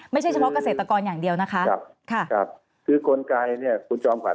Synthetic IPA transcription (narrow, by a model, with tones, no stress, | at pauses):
ma˥˩jʰa˥˩jt͡ɕʰpʰɔ˦˥ka˧seː˨˩t̪ːa˧kɔː˧njaː˨˩ŋdi˧əwna˦˥kʰa˦˥ʔa˧˩p̚kʰa˥˩kʰa˧˩p̚ | kʰɯː˧kʰo˧nkaː˧jni˥˩ɐkʰu˧nt͡ɕɔː˧mkʰwa̰˨˦˩